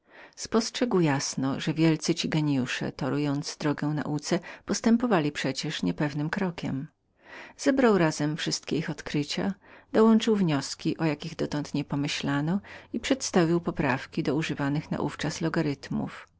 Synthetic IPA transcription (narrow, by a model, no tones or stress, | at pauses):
spɔstʂɛɡwjasnɔ̰ʐɛvʲjɛlt̪sɘt͡ɕiɡɛɲijuʂɛ̰t̪ɔɾujɔnd̪zd̪ɾɔɡɛw̃na̰ʔut̪sɛpɔst̪ɛmpɔvalʲipʂɛt͡ɕɛʂɲɛpɛvnɘmkɾɔkʲɛ̰m | z̥ɛbɾawɾazɛmfʂɘst̪kʲɛixɔt̪kɾɘt͡ɕa̰d̪̥ɔwɔnt͡ʂɘwvɲɔskʲiʔɔjakʲiɣd̪ɔt̪ɔnt̪ɲɛpɔmɘɕlanɔipʂɛt̪st̪avʲiwpɔpɾafkʲid̪ɔuʐɘvanɘxna̰ʔṵft͡ʂaslɔɡaɾɘt̪mṵf